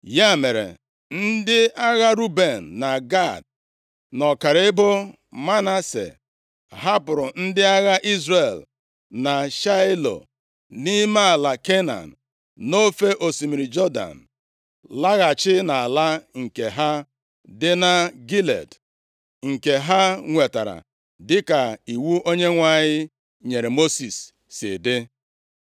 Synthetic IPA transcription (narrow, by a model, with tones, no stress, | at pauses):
ja˦˨me˨ɾḛ˨ | n̩˦dɪ˦a˦ɣa˦ɾu˦be˨n̩ː˨a˨ɡa˦˨d̚ | nɔ˨ka˨ɾɪ˦bʊ˦ | ma˦na˦sḛ˨ | ɦa˦pʊ˨ɾʊ˨n̩˦dɪ˦a˦ɣa˦ʔi˦zɾe˨l | na˨ʃa˦lo̰˨ | ni˦ma˦a˨la˨ke˦na̰˨n̩˨ | no˦fe˦ʔo˨si˨mi˨ɾi˨d͡ʒɔ˦da̰˨n̩˨ | la˦ɣa˨t͡ʃɪ˦na˨a˨la˦ŋ̩˨ke˨ɦa˦ | dɪ˦na˦ɡi˦lḛ˨d | ŋ̩˨ke˨ɦa˦ŋʷe˨ta˨ɾa̰˨ | dɪ˦ka˨i˨wu˦ʔo˦ɲe˦ŋʷa˨ɲɪ˦ | ɲe˨ɾe˨mo˦si˨sː | ɪ̰˨dɪ˦